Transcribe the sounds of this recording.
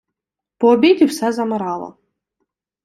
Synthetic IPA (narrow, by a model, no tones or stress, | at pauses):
pɔːbʲidʲiwsɛzɐmɪɾɑlˠɐ̰